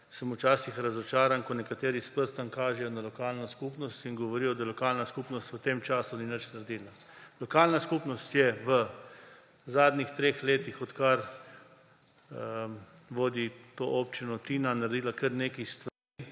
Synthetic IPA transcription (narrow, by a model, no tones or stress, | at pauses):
səmut͡ʃaːsixɾazɔt͡ʃaːɾankɔnɛkat̪eːɾispəɾst̪aŋkaːʒɛjɔnalɔkaːlnɔskupnɔst̪inɡɔʋɔɾijɔd̪ajɛlɔkaːlnaskupnɔst̪ʋət̪eːmt͡ʃaːsuninət͡ʃnaɾd̪iːlalɔkaːlnaskupnɔst̪jɛʋə | zaːd̪nixt̪ɾeːxleːt̪ixɔt̪kaɾ | ʋoːd̪it̪oːʔoːpt͡ʃinɔt̪iːnanaɾd̪iːlakəɾneːkist̪ʋaɾi